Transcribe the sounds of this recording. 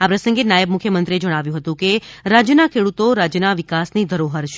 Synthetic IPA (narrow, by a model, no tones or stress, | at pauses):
apɾəsə̃ŋɡenajəb̚mukʰjəmənt̪ɾied͡ʒəɽ̃aʋjũɦət̪ũkeɾad͡ʒjənakʰeɽut̪oɾad͡ʒjənaʋikasnid̪ʱəɾoɦəɾʃ